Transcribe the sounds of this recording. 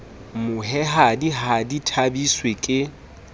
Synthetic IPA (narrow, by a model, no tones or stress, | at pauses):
mʊɦɛɦadiɦaditʰabiswekʼɪ